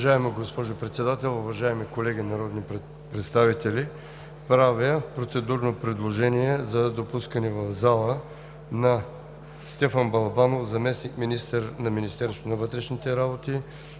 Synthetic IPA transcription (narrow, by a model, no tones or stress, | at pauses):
ʒaɛmoɡospɔʒopɾɛt̪sɛd̪at̪ɛlˠʊvɐʒaɛmikolɛɡʲinɐɾɔd̪ni | pɾɛt̪st̪avit̪ɛli | pɾavəpɾot̪sɛd̪uɾnopɾɛd̪lˠoʒɛniɛzɐd̪opuskənɛvɐvzalˠə | nɐ | st̪ɛfɐnbɐlˠbanofzɐmɛsnikminist̪əɾnɐminist̪ɛɾst̪onɐvɤt̪ɾɛʃnit̪ɛɾabot̪i